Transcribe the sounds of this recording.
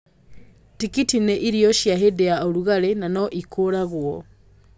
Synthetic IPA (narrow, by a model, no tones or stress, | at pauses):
tikitineʔiɾijɔʃjaɦedejaoɾuɣaɾenanoʔikʰoɾaɣwɔ